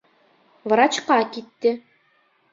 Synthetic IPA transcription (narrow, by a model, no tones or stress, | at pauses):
vɾat͡ʃqɑkit̪ːɘ